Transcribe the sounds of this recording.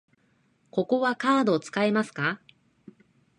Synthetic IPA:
ko̞ko̞βakaːd̪o̞t͡sɨ̥kaemasɨ̥ka

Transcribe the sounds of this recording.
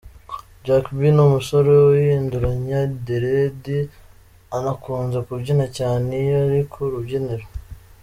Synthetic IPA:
d͡ʒakbinumuso̞ɾo̞wjiːnduɾaɲadeɾedi | anakuːnzekubɟinacaːnejaɾikʰoɾubɟeneɾo

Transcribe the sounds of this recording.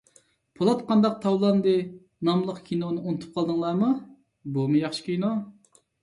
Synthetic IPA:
pʰolˠɑt̪qʰɑnd̪ɑq̚t̪ʰɑwlˠɑnd̪ɨ | nɑmlˠəqkʲʰinonɨonɨt̪ʰu̥p̚qʰɑlˠd̪ɨŋlˠɑːmu | bumujɑχʃi̥kʲijno

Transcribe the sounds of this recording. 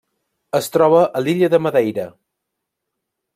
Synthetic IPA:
əst̪ɾɔβ̞əʔəliʎəðəməðɛjɾə

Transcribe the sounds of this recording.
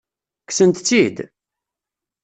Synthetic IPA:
ksənt̪t͡sːid̪

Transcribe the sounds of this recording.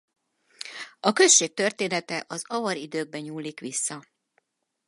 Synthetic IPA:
ɒkø̞sʃːeːk̚t̪ø̞rt̪eːnɛt̪ɛʔɒzɒvɒɾid̪øːɡ̚bɛɲuːlːikʋisːɒ

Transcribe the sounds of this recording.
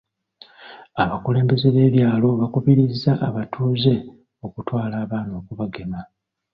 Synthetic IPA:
aβakule̞ːmbe̞ze̞βe̞ːβjaːlo̞βakuβiɾizːaʔːβatʰuːze̞ | o̞kutwaːlaːβaːno̞ːkuβaɡe̞ma

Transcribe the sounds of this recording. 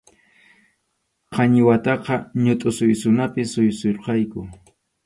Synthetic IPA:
qʰɑɲɪwat̪ɑqɑɲʊt̪ʼʊsʊjsʊnapɪsʊjsoɾqɑjkʊ

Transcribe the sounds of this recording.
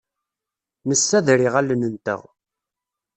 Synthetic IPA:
nəsːæðɾiʁælːənənt̪ə̰ʁ

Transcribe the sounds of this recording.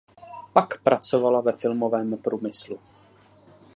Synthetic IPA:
pakpɾat͡so̞valavɛfɪlmo̞vɛːmpɾuːmɪslu

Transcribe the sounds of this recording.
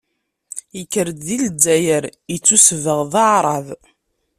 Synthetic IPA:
jəkːəɾd̪ðild͡zːæjəɾjət͡sːusvəʁðaʕɾˤɑv

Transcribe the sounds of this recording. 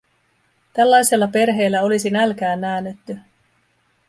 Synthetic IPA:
t̪ælːɑjse̞lːɑpe̞rɦe̞ːlːæo̞lisinælkæːnːæːnet̪ːy

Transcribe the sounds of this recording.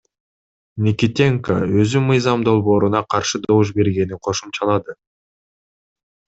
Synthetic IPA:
mʲikʲit̪ʲeŋka̰ø̞zymɯjzɑmd̪o̞lˠβo̞ːɾunɑqʰɑɾʃɯd̪o̞vuʃ̬be̞ɾɡe̞niqʰo̞ʃumt͡ʃɑlˠɑd̪ɯ

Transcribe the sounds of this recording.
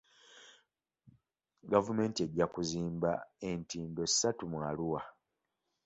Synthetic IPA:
ɡavume̞ːntie̞ɟːakuziːmbae̞ntiːndo̞si̥satumwaluwa

